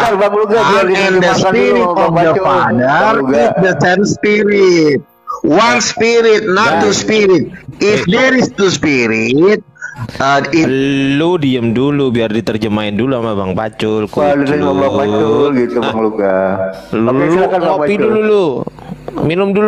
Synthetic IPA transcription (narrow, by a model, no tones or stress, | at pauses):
abaŋluɡaɛnd̪əspiɾit̪ɔfdəfadəɾɡisdəsɛmspiɾit̪̚ | wanspiɾɪt̪̚nat̪ːuspiɾit̪̚ɪfdɛɾist̪uspiɾit̪̚əiludiəmdulubiardit̪ərd͡ʒəmaɪnduluamabaŋpa̰t͡ʃʊlkudabapalɡit̪ubaŋluɡalulkakaopidululu | minʊmdulu